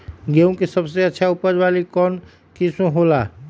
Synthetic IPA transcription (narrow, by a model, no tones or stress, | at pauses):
ɡeũkesəbseətːʃʰaupəɾwalikɔːn | kisõɦola